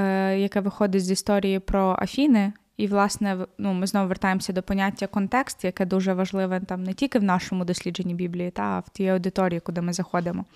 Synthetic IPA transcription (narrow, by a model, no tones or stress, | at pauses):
jɐkɛʋɪxɔd̪ɪtʲzʲist̪ɔɾʲijipɾɔʔɐ̰fʲinɪ | iʋlˠɑsnɛnumɪznɔʋʊʋert̪ɑjemsʲɐd̪ɔpɔnʲatʲːɐkɔnt̪ɛkst̪jɐkɛd̪uʒɛʋɐʒlˠɪʋɛt̪ɑmnɛtʲilʲkɪwnɑʃɔmʊd̪ɔsʲlʲid͡ʒenʲːibʲiblʲijit̪ɑɐ̰wt̪ʲijɐwd̪ɪt̪ɔɾʲijikʊd̪ɪmɪzɐxɔd̪ɪmɔ